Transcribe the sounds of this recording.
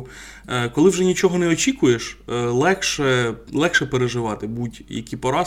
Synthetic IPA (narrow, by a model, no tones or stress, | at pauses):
kɔlˠɪwʒɛnʲit͡ʃɔɦɔnɛɔt͡ʃʲikʊjeʃlˠɛxʃɛlˠɛxʃɛpeɾeʒɪʋɑt̪ɪbutʲjɐ̰kʲipɔɾɑ